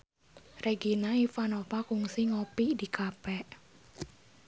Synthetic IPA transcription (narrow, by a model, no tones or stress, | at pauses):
rʔeɡinaifanopakuŋsiŋopidikapɛʔ